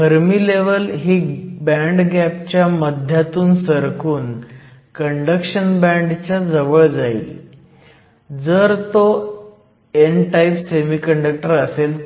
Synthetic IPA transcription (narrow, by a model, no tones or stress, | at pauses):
ɡʱəɾmiːleʋəlɦiːbæɳɖɡæp̚t͡ɕjaməd̪ʱjat̪uːnsəɾkʰuːnkəɳɖəkɕənbæ̃ɳɖt͡ɕjad͡zəʋəɭd͡zaḭ | d͡zəɾt̪o | enʈajpsemiːkəɳɖək̚ʈəɾəsel